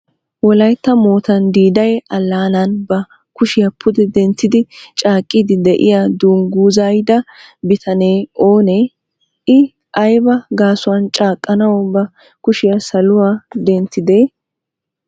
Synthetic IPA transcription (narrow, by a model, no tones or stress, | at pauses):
wɔlɐjt̪ːɐmoːt̪ɐnd̪iːd̪ɐjʔɐlːaːnɐnbɐ | kʊʃɪjɐpʰʊd̪ɛd̪ɛnt̪ːɪd̪ɪt͡ʃʼaːkʼːɪd̪ɪd̪ɛʔɪ̰jaːd̪uːŋɡuːzajd̪ɐbɪt̪ʰɐneːoːnɛ | ɪ | ʔɐjbɐɡaːsʊwɐnt͡ʃʼaːkʼːɐnɐwbɐ | kʊʃɪjɐsɐlʊwaːd̪ɛnt̪ːɪd̪eː